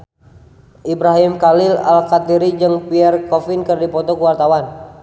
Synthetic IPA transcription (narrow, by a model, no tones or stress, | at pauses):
ʔibɾaɦimkalila̰lkat̪iɾid͡ʒɨŋpiɛrkɔfinkɨrdipɔt̪ɔkuwart̪awan